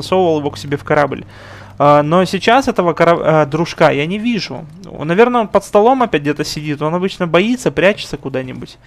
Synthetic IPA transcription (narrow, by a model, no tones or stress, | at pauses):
sovəvəlˠjɪvo̞ksʲɪbʲefkɐɾablʲ | ano̞sʲɪt͡ɕasɛt̪əvəkɐɾɐd̪ɾʊʂkajanʲɪvʲiʐʊ̰ | nɐvʲe̞rnəonpət̪st̪ɐlˠo̞mɐpʲæt̚ʲdʲet̪əsʲɪdʲit̪o̞nɐbɨt͡ɕnəbɐit̪səpɾʲæt͡ɕɪ̥t̪səkʊd̪anʲɪbʊtʲ